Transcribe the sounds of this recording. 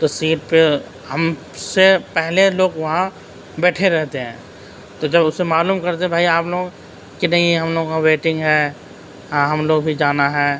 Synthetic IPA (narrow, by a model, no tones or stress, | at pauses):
t̪osiːʈpe | hɐm | sepɛɦleloːɡʋɐɦã | bɛːʈʰeɾɛɦt̪eɦɛ̰̃ː | t̪od͡ʒɐbʊsːemaːluːmkɐɾt̪eɛ̃bʱaːiaːploːɡ | kinɐɦĩɦɐmloːɡkaʋeːʈɪ̃ŋɡɦɛː | ɦãɦɐmloːɡbʱid͡ʒaːnaɦɛː